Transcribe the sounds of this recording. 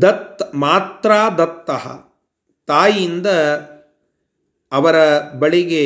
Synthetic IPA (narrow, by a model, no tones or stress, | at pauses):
d̪ɐt̪ːmaːt̪ɾaːd̪ɐt̪ːɐɦɐ̰ | t̪aːjind̪ɐ | ʋɐɾɐbɐɭiɡe